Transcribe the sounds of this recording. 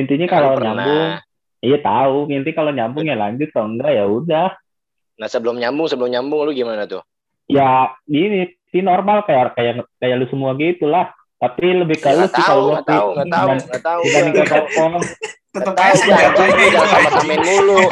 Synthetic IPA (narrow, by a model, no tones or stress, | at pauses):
int̪iɲakaloɲambʊŋ | ijat̪a̰uint̪ikaloɲambʊŋjala̰d͡ʒʊt̪̚kauŋɡaʔjaudah | nahsəbəlʊmɲambʊŋsəbəlʊmɲambʊŋlʊɡimanat̪ʊ | jaini | sinormalkajakajakajalusəmuaɡit̪ulah | t̪apiləbɪhkəlusɪaluakianaimaniŋakakɔŋ | aujaatiudasamapamɛnmulu